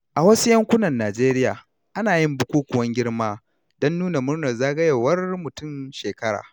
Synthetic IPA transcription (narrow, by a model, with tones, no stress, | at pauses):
ʔa˨wɐ˦su˦jɐ˦ŋkʷʊ˦nɐ˨nːaː˨d͡ʒeː˦ɾɪ˦jaː˨ | ʔa˦naː˨jɪ˦mbʊ˦kʷuː˦kʷʊ˨wɐ˦ŋɡʲɪ˦ɽmaː˦ | dɔ˦nːuː˦na˨mʊ˦rnɐ˨rzaː˦ɡɐ˦je˨wɐ˦rmʊ˨tʊ˦˨mʃeː˨kɐ˦ɽa̰ː˨